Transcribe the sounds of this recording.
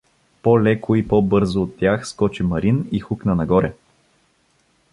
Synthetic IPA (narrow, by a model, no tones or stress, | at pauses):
pɔlɛkʰoipɔbɤɾzoːt̪ːjaxskɔt͡ʃimɐɾinixuknənɐɡɔɾɛ